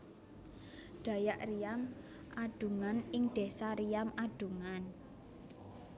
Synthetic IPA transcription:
ɖ̪̥a̤jaʔrijam | ʔaɖ̪̥ṳŋanɪŋɖ̪̥e̤saɾijamaɖ̥ṳŋan

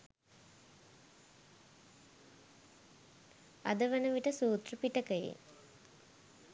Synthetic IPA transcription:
a̰d̪əʋənəʋiʈəsuːt̪rəpiʈəkəjḛ

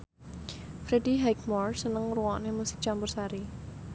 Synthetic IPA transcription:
fɾediɦajk̚mɔrsənəŋruwanemusɪ̥k̚t͡ʃambʊrsaɾi

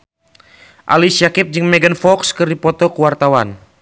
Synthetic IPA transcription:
ʔa̰lisiakip̚d͡ʒɨŋmɛɡənfɔkskɨrdipɔt̪ɔkuwart̪awan

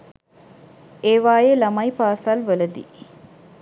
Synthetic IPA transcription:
eːʋaːjelamajpaːsalʋələd̪ḭ

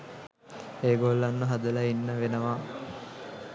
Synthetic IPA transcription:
eːɡolːanːəɦad̪əlainːəʋenəʋa

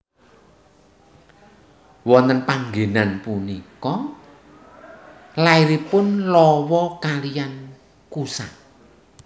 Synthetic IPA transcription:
wɔnt̪ənpaŋɡenanpunikɔ | laiɾipʊnlɔwɔkalijan | kusa

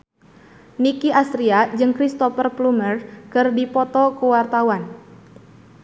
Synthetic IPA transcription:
nikiʔast̪ɾiad͡ʒɨŋkɾist̪ɔfərplumərkɨrdipɔt̪ɔkuwart̪awan

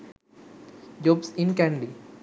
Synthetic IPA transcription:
d͡ʒobsɪ̃nkæ̃ɳɖi

